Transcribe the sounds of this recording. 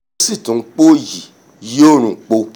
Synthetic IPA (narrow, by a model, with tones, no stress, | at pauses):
si˦˨tũ˨˦k͡po˦ji˨ | jo˦˨ɾ̃ũ˨k͡po˧